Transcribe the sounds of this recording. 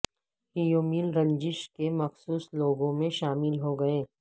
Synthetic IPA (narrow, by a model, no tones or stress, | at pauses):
hijoːmiːlɾɐ̃ɲd͡ʒɪʃkemɐxsuːsloːɡõmẽʃaːmɪlɦoɡɐẽː